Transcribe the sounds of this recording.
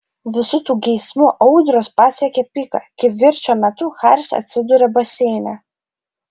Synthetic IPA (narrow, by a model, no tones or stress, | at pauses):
ʋʲɪsʊt̪uːɡʲɛɪsmʊʔɐʊd̪ʲɾoːspɑːsʲɛkʲɛpʲikɐ̰kʲɪʋʲɪɾʲt͡ʃʲoːmʲɛt̪ʊxaɾʲsɐ̰t̪ʲsʲɪd̪ʊɾʲɛbɐsʲɛɪnʲɛ